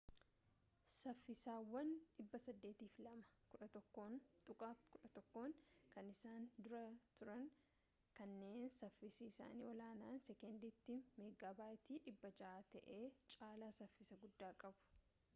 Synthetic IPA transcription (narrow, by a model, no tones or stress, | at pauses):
sɐfːɪsaːwːɐnᶑɪbːɐsɐd̪ːe̞ːt̪iːflɐmɐ̥kʊɐt̪ʼʊkʼːkʊᶑɐt̪ɔkːo̞ːŋkɐnɪsaːnd̪ʊɾɐt̪ʊɾɐŋ | kɐnːe̞ːnsɐfːɪsisa̰ːnḭːɔlaːnaːnsɛkɛnd̪ɪt̪ːɪmeːɡaːbaːʔɪt̪iːᶑɪbːɐd͡ʒɐaːt̪ɐʔe̞ːt͡ʃʼaːlaːsɐfːɪsɐɡʊd̪ːaːkʼɐbʊ̥